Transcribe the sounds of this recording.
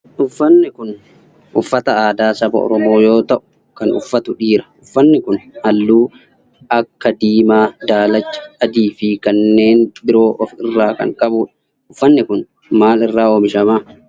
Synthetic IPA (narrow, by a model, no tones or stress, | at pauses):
ʔʊfːɐnːɪkʊn | ʔʊfːɐt̪ɐaːd̪aːsɐbɐ̰ʔɔ̰ɾɔmo̞ːjo̞ːt̪ɐʔʊ̥ | kɐnʊ̰fːɐt̪ʊᶑiːɾɐ̥ʔʊfːɐnːɪkʊnhɐlːuː | ʔɐkːɐd̪iːmaːd̪aːlɐt͡ʃːɐ̥ːd̪iːfɪkɐnːe̞ːnbɪɾo̞ːʔɔfɪrːaːkɐ̰ŋkʼɐbuːᶑɐ̥ | ʔʊfːɐnːɪkʊn | maːlɪrːaːoːmɪʃɐmaː